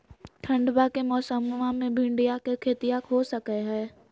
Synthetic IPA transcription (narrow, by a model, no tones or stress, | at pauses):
ʈʰə̃ɳɖbakemɔːsəmːamẽbʱɪ̃ɳɖijakekʰeːt̪ijakɦosəkɛɦɛː